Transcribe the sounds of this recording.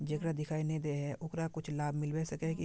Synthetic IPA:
d͡ʒɐkɾad̪ɪkʰaːined̪eɦɛʔʊkɾakʊt͡ʃʰlaːbʱmɪlbɛsɐkɛki

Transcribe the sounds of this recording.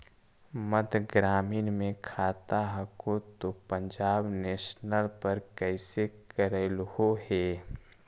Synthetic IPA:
mət̪ɡɾaːmiːnmẽkʰaːt̪aɦəkot̪opə̃ɲd͡ʒaːbneːʃnəlpəɾkɛɪsekəɾelhoɦeː

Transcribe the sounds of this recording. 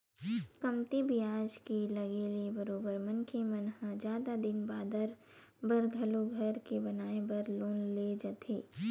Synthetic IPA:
skɐmt̪ibʱiaːd͡ʒkelɐɡeliebɐɾoːbəɾmɐnkʰemɐnɦãd͡ʒjaːd̪ad̪ɪnbaːd̪əɾ | bɐɾɡʱɐluɡʱɐɾkebɐnaːebəɾloːnled͡ʒɐt̪ʰeː

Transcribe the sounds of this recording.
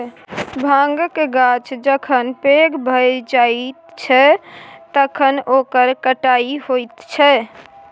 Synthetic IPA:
bʱãŋɡkeɡat͡ʃʰd͡ʒəkʰənpeɡbʱəjd͡ʒait̪t͡ʃʰɛt̪əkʰənokəɾkəʈaiɦojt̪t͡ʃʰɛ

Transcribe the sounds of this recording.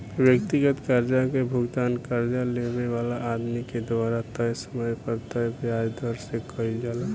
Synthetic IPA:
bjək̚t̪iɡət̪kəɾd͡ʒakebʱʊɡd̪aːnkəɾd͡ʒalebeʋalaːd̪miked̪ʋaːɾat̪əjsəməjpəɾt̪əjbjad͡ʒd̪ʱəɾsekəid͡ʒaːla

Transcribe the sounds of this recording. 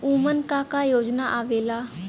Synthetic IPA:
uːmənkaːkaːjoːd͡ʒnaʔaːʋeːlaː

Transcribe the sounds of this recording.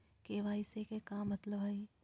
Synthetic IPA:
keʋaːisekekaːmːɐt̪ləbɦɐi

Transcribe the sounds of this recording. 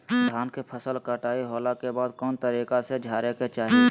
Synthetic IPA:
d̪ʱaːnkepʰəsəlkəʈaːiɦoːlakebaːd̪̚kɔːnt̪əɾiːkased͡ʒʱaːɾeket͡ʃaːɦie

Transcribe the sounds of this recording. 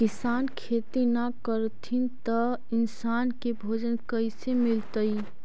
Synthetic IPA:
kisankʰet̪inakəɾt̪ʰint̪ə | ɪnsaːnkebʱod͡ʒənkəɪsemilt̪əj

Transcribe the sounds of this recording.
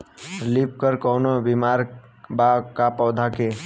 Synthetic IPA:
lip̚kəɾkɔwnobimaɾbakapɔwd̪ʱake

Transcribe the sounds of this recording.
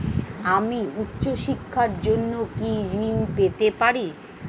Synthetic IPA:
amiutːɕoʃikʰːaɾd͡ʑonːokiɾinpet̪epaɾi

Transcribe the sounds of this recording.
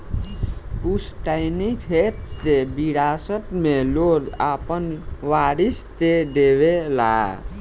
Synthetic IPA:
pusʈajnit̪ʰet̪ːebiɽasət̪melod̪apənʋaɾist̪ed̪eβela̰

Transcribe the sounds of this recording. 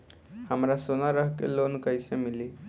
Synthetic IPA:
hamɾasonaɾəɦkḛlonkəjsemili

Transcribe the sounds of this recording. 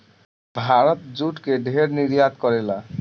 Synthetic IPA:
bʱaɾot̪d͡ʑuʈkeɖʱeɾniɾjat̪kɔɾela

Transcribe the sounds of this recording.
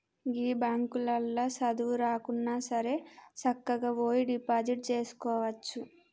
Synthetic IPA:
ɡiːbaːŋkulɐlːoːsɐd̪uʋuɾaːkunːaːsɐɾe̞ːt͡ʃɐkːɐɡaːʋoːjiɖipaːd͡ʒiʈ̚t͡ʃe̞ːsu̥kɔːʋɐt͡ʃːu

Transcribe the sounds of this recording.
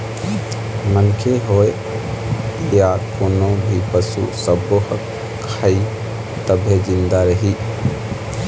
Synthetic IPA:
mənkʰeɦoe | jaɾkoːnobʱipəsṵsəbohək | kʰːai | t̪əbʱed͡ʒind̪aɾəɦi

